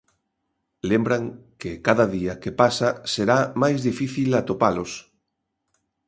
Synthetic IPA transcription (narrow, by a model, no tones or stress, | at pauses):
lembɾaŋkekaðaðiakepasaseɾamajzðifiθilat̪opalos